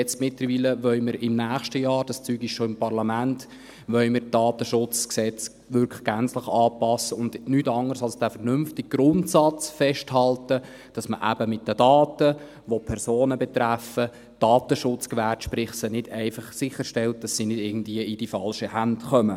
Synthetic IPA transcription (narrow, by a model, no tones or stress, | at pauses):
ɛt͡stmɪtləɾʋiːləʋœʏməɾɪmnæːχʃtəjɑːɾd̥ɑst͡syːɡɪʃʃoɪmpɑɾlɑmænt | ʋœʏməɾd̥ɑːtəʃʊt͡sksɛt͡s | ʋʏɾkʰlə̥ɡ̥ænt͡sləχɑːpɑsːəʊndnytɑŋərsɑlsd̥æːfɛrnʏmftɪɡ̥̚ɡ̥ɾʊntsɑt͡sfɛʃthɑltə | d̥ɑsməʔæ̰bəmɪt̚d̥ədɑːtə | ʋopʰɛɾsoːnəbɛt̪ɾæfə | d̥ɑːtəʃʊt͡skʋætʃpɾɪχsənɪd̥ɛɪfɑχsɪχːəɾʃtɛlt̚d̥ɑsːinɪdɪɡən̩dviəɪd̥ifɑlʃəhæntχœmə